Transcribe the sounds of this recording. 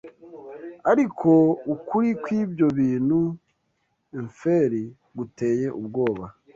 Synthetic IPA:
aɾikʰo̞ukuɾikwiːbjo̞βiːnhu | iɱfe̞ɾi | ɡute̞ːje̞ʔub̚ɡo̞ːβa

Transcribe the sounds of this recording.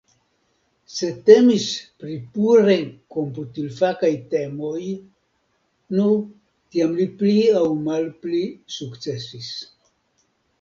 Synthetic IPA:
se̞te̞mispɾipuɾenko̞mputilfakajte̞mo̞j | nu | tiamlipliawmalplisukt͡se̞sis

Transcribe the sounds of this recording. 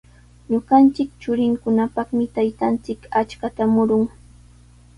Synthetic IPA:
ɲʊɢɑnt͡sɪkt͡ʃʊɾɪŋkʊnapɑχmɪt̪ajt̪ant͡sɪkat͡ʃkat̪amʊɾʊŋ

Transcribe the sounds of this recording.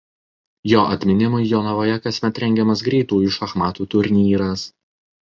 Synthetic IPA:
joːʔɐt̪ʲmʲɪnʲɪmʊjjoːnɐʋoːjɛkɐsʲmʲɛt̪ɾʲɛŋʲɡʲɛmɐs̬ɡɾʲɛɪt̪uːʊʃɐxmɑːt̪uːt̪ʊɾʲnʲiːɾɐs

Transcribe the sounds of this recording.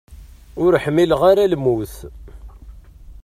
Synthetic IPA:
ʊɾħmːilʁaɾalmuθ

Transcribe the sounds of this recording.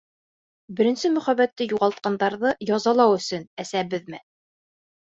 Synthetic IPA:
bɘ̆ɾɘ̆nsɘmɵ̆χæβæt̪ːɘjuʁɑlˠt̪̚qɑnd̪ɑɾðɤjɑzɑlˠɑwɵ̆sɵnæsæbɘðmɘ

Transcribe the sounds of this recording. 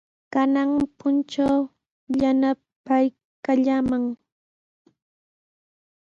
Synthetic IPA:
kanaŋpʊnt͡ʃaw | ʎana | paj | kaʎamaŋ

